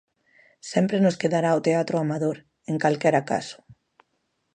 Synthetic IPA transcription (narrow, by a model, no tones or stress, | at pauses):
sɛmpɾenʊskeðaɾaot̪eat̪ɾoamaðoɾ | eŋkalkɛɾaka̰sʊ̥